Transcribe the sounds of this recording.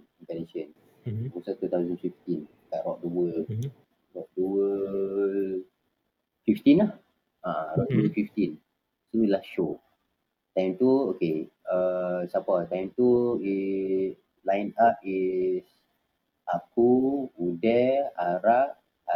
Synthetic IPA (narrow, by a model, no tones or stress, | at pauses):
int̪ɛneʃən | musat̪ut̪awzənfift̪in | kaʔɾɔʔ̚duə | rɔʔ̚duwə | fift̪inah | aɾɔʔduəfift̪in | sənilahʃo | t̪ajmt̪uokeəsapat̪ajmt̪ui | lajnapis | ʔakuudɛaɾaʔ